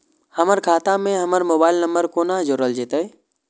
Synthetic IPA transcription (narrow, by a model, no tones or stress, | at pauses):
həməɾkʰaːt̪amẽɦəməɾmoːbaːɪlnəmbəɾkonad͡ʒoɾəld͡ʒet̪ə